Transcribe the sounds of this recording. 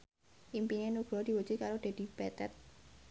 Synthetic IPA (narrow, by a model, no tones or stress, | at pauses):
ʔimpinenuɡ̥ɾɔd̪̥i̤wu̥t͡ʃukaɾod̥̪a̤d̪̥i̤b̥ɛt̪ɛt̪̚